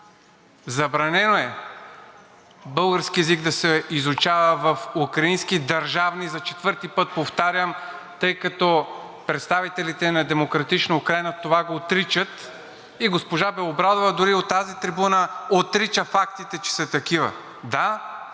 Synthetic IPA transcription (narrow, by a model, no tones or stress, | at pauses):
zɐbɾɐnɛnoɛ | bɤlˠɡəɾskiɛziɡd̪ɐsɛizʊt͡ʃavəvɐfukɾɐinskid̪ɐɾʒavnizɐt͡ʃɛt̪vɤɾt̪ipɤt̪̚poft̪aɾʲəm | t̪ɤjkɐt̪ɔ | pɾɛt̪st̪avit̪ɛlit̪ɛnɐd̪ɛmokɾɐt̪it͡ʃnɐukɾajnɐt̪ovaɡoːt̪ɾit͡ʃət̪ | iɡospoʒabɛlˠobɾad̪ovɐd̪ʊɾiot̪ːazit̪ɾibunəot̪ɾit͡ʃəfakt̪it̪ɛt͡ʃɛ̥sɐt̪ɐkivə̰ | d̪a